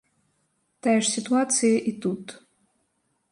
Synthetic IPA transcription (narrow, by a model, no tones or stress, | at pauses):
t̪ajʂsʲit̪uat̪sɨjɐʔit̪ut̪